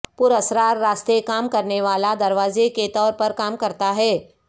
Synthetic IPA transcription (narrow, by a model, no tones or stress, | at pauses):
pʊɾɐsɾaːɾːaːst̪ekaːmkɐɾneʋaːlad̪ɐɾʋaːzeket̪ɔːɾpɐɾkaːmkɐɾt̪aɦɛː